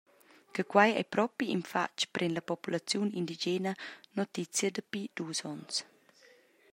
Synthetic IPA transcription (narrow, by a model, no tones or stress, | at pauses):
kəkwajɛ̰pɾɔpiinfa̰t͡ʃpɾʔɛnlapɔpulat͡sjunḭnd̪id͡ʒɛnənɔt̪it͡sjəd̪əpid̥̪uːsɔns